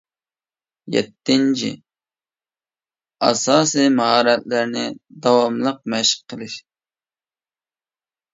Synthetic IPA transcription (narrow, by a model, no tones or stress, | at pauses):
jɛ̰t̪ʰːɪnt͡ʃʰɪ̰ | ɑ̰sɑːsimɑɦɑːɾɛt̪̚læɾnɪd̪ɑwɑmlˠəq̚mɛʃqʰːəlˠɪʃ